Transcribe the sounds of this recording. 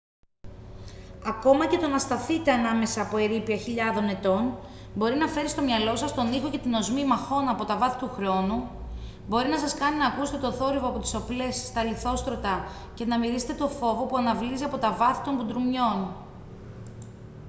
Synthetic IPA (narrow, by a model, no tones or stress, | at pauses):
ɐko̞mɐce̞t̪o̞nɐst̪ɐθit̪eɐnɐme̞sɐːpo̞eɾipiɐçiʎɐðo̞ne̞t̪o̞n | bo̞ɾinɐfe̞ɾist̪o̞mɲɐlo̞sɐst̪o̞nixo̞ce̞t̪ino̞zmimɐxo̞nɐpo̞t̪ɐvɐθi̥t̪uxɾo̞nu | bo̞ɾinɐsɐskɐninɐːkuse̥t̪e̞t̪o̞θo̞ɾivo̞ɐpo̞t̪i̥so̞ple̞sːt̪ɐliθo̞st̪ɾo̞t̪ɐ | ce̞nɐmiɾise̥t̪e̞t̪o̞fo̞vo̞puɐnɐvliziɐpot̪ɐvɐθi̥t̪o̞ŋbud̪ɾumɲo̞n